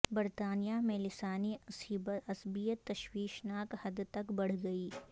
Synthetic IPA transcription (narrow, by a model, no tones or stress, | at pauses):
bɐɾt̪aːnijamẽlɪsaːnisibɐsbijət̪ːɐʃwiːʃnaːkhɐd̪t̪ɐkbɐɽ̤ɡɐiː